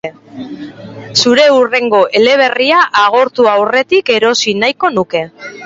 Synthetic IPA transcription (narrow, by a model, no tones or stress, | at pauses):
suɾe̞ure̞ŋɡo̞ʔe̞le̞β̞e̞riaʔaɣ̞o̞ɾt̪uawre̞t̪ike̞ɾo̞sinajko̞nuke̞